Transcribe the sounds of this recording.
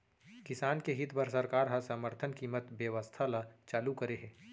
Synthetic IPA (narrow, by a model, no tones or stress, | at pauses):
kɪsaːnkeɦɪt̪ʰpəɾsɐɾkaːɾɦɐ̃səməɾt̪ʰənkiːmət̪bjəʋəst̪ʰalat͡ʃaːlukɐɾeɦɛ̃ː